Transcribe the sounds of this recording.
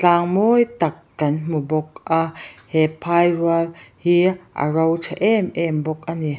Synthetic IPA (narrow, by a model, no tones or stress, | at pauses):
t͡ɬaːŋmɔjt̪ɐk̚ːɐnmubɔk̚ʔahɛpʰajɾualhiʔɐ̰ɾɐwt͡ʃʰaʔɛmʔɛmbɔk̚ʔani